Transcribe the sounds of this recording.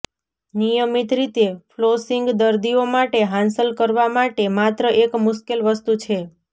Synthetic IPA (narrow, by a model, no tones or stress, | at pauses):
nijəmit̪ɾit̪eflosiŋɡd̪əɾd̪iomaʈeɦãnsəlkəɾʋamaʈemat̪ɾəʔekmʊʃkelʋəst̪ut͡ʃʰe